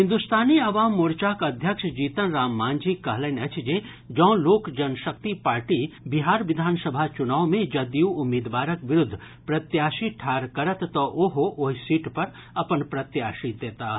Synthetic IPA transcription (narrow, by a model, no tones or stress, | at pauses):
ɦɪ̃nd̪ust̪ʰaːniɐʋaːmːoːɾt͡ʃaːkɐd̪ʱjəkʂd͡ʒiːt̪ənɾaːmːãːnd͡ʒikɐɦlənɐt͡ʃʰd͡ʒeː | d͡ʒɔ̃ːloːkd͡ʒɐnʃək̚t̪ipaːɾʈibɪɦaːɾʋɪd̪ʱaːnsəbʱat͡ʃʊnaːwmẽd͡ʒɐd̪juʊmeːd̪ʋaːɾəkʋɪɾʊd̪ʱː | pɾɐt̪jaːʃiʈʰaːɾkɐɾət̪ːoʔoɦoʔoɦsiːʈpɐɾ | ɐpənpɾɐt̪jaːʃid̪eːt̪aː